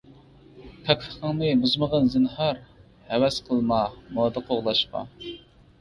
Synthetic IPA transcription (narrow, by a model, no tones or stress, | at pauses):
pʰɛkʲʰəχəŋnɨmuzməʁənzɨnhɑɾ | hɛwɛsqʰəlˠmɑmɑd̪əqʰoʁlˠɑʃqɑ̰